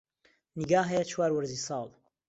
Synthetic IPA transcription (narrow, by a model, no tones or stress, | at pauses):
niɡaːɦɛjɐt͡ʃʰwaːɾwəɾziːsɑːlˠ